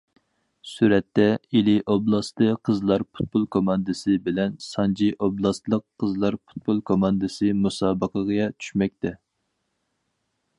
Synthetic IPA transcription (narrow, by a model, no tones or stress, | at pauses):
suɾɛt̪ːɛiliʔoblˠɑst̪ɨqʰəzlˠɑɾpu̥t̪̚bolˠkʰomɑnd̪ɨsɨbɪlɛnsɑnd͡ʒiʔoblˠɑst̪lˠəqʰːəzlˠɑɾpʰu̥t̪̚bolˠkʰomɑnd̪ɨsɨmusɑːbəqʰəʁəjɑt͡ʃʰy̥ʃmɛk̚ʲt̪ʰɛ